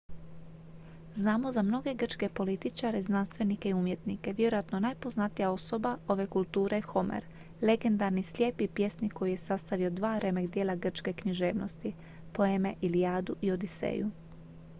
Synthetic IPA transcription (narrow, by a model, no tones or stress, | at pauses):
znaːmo̞zamno̞ɡe̞ɡr̩t͡ʃke̞po̞lit̪it͡ʃaɾe̞znanst̪ʋe̞nikeiumje̞t̪nike̞ʋjeɾojat̪no̞najpo̞znat̪ijao̞so̞bao̞ʋe̞kulˠt̪uːɾexo̞mḛɾ | le̞ɡe̞nd̪aɾnislʲje̞ːpipje̞sniko̞juje̞sast̪aʋio̞d̪ʋaːɾe̞meɡd̪jeːlˠaɡr̩t͡ʃke̞kɲiʒe̞ːʋnost̪i | po̞e̞me̞ʔilijaːd̪uʔio̞d̪isḛːju